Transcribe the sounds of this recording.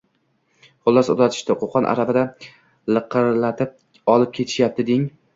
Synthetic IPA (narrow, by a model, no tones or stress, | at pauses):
χʊlˠːɒso̰d̪ɾat̪ʰɪ̥ʃt̪ɪqʰoqʰɒnʔa̰ɾabɪd̪a | lɨqʰɨɾlat̪ʰɪp̚ | ɒlˠɪp̚kʲʰe̞t̪ʰɪ̥ʃjap̚t̪ʰɪd̪ɪŋ